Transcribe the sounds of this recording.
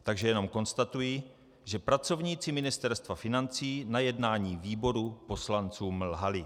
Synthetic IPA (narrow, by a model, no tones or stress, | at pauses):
t̪aɡʒɛjɛno̞mko̞nst̪at̪uji | ʒɛpɾat͡so̞vɲiːt͡sɪmɪnɪst̪ɛɾst̪vafɪnant͡siːnajɛdnaːɲiːviːbo̞ɾupo̞slant͡suːmlɦalɪ